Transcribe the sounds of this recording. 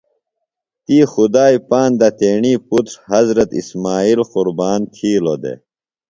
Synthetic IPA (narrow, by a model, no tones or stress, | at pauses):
t̪iːxud̪aːipaːnd̪ɐt̪eːɳiːput̪ɾhɐzɾɐt̪ḭsmaːiːlquɾbaːnt̪ʰiːlod̪ḛ